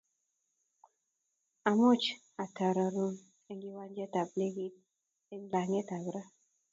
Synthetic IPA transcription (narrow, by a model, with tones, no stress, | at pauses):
a˨mo˦t͡ʃ | a˨ta˨ɾa˨ɾu˦n | e˨ŋɡi˦wa˦nd͡ʒe˦ta˨b̚ne˦ɡi˦t̚ | e˦ŋ˦la˨ŋe˦ta˨bɾa˦